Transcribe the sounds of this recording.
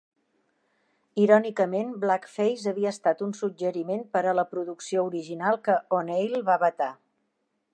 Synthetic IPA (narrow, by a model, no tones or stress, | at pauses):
iɾɔnikəmenblakfejzəβiəːst̪at̪unsud͡ʒəɾimenpəɾələpɾuðuksiouɾiʒinalˠkəonejlˠβaβət̪a